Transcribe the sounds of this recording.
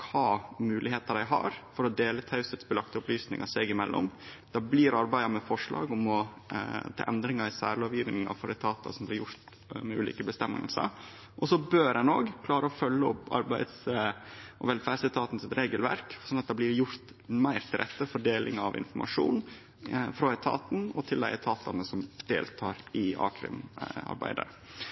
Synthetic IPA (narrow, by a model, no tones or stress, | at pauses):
kʰɑːmʉːlʔɪheːt̪ɑd̪æɪɦɑ̰ɾfɔɾɔd̪eːlət̪ʰɑʉsət̪sbəlɑkt̪əʊplyːsnɪ̰ŋʔɑseːɡɪmɛlːʔɔ̰md̪̥ɑːbliɾɑɾbæɪɑmɛfɔʂɭɑ̰ːɡɔmɔ | t̪ʰɑ̰ːʔɛnd̪ɾɪŋɑɾɪsæ̰ːɾloːʋjiːʋnɪŋɑ̰fɔɾɛt̪ʰɑːt̪ɑ̰sɔmblɪɾjʊɾt̪ | mɛʉ̰ːlḭːkəbəst̪ɛmːə̰lsə̰ɾ | ʔɔsɔbøːɾɛnoːɡkʰlɑːɾəɔfœlːəɔpːɑ̰ɾbæɪd̪s | ʔɔ̰ʋɛlfæːɖsɛt̪ʰɑːt̪n̩sɪt̪ɾeːɡəlʋæ̰ɾksɔnːɑt̪̚d̪ɛblɪɾjʊɾt̪ | mæɪɾt̪ʰɪld̪ɛt̪ːəfɔɖeːlʔɪ̰ŋɑʋɪ̰nfɔɾmʔɑ̰ʂṵːn | fɾɔɛt̪ʰɑ̰ːt̪n̩ɔt̪ʰɪld̪æɪɛt̪ʰɑːt̪ʰɑnəsɔmd̪̥ḛːlt̪ʰɑːɾɪɑ̰ːkʰɾɪ̰mɑ̰ɾbæ̰ɪd̪ə̰